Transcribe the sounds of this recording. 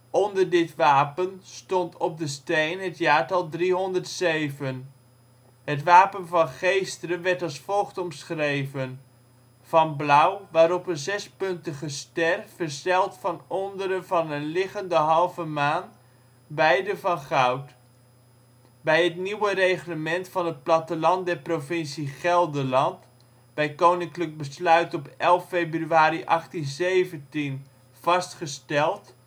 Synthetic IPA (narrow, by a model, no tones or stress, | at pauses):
ɔndəɹdɪtʋaːpənstɔntʰɔp̚dəstejnɦətjaːɹtɑlˠdriɦɔndərtsejvən | ɦətʋaːpənvɑnχejstərənʋɛɹtɑlˠsfɔlˠχtɔmsχrejvən | v̥ɑnblʌwʋaːɾɔpənzɛspɵntəχəstɛrfərsɛlˠtfɑnɔndəɾəvɑnənlɪχəndəɦɑlˠvəmaːn | bɛjdəvɑnχawt | bɛjətniwərejχləmɛntfɑnət̚plɑtəlɑnt̚dɛrprofɪnsiχɛlˠdəlɑnt | b̥ɛjkownɪŋklək̚bəslœɥtɔpɛlˠfːejbryaːɾiʔɑχtinzeːvəntin | v̥ɑstχəstɛlˠt